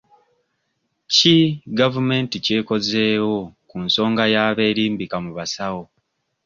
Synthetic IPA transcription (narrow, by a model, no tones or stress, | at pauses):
ciɡavume̞ntice̞ːko̞ze̞ːwo̞kunso̞ːŋɡajaːβe̞ːɾiːmbikamuβasawo̞